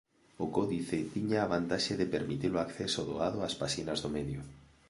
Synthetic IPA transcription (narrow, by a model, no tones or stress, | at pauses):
okoðiθet̪iɲaːβ̞ant̪aʃeðepeɾmit̪iloakθesoðoaðoaspasinazðomeðjo